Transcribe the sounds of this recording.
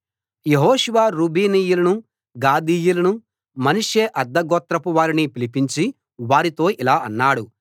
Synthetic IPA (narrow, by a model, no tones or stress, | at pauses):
jeɦɔːʂuʋaːɾuːbʱiːniːjulɐnu | ɡaːd̪iːjulɐnu | mɐnuʂeːʔɐɾd̪ːɐɡɔːt̪ɾɐpuʋaːɾinipilipiɲt͡ʃi | ʋaːɾit̪o̞ːʔilaːɐnːaːɽu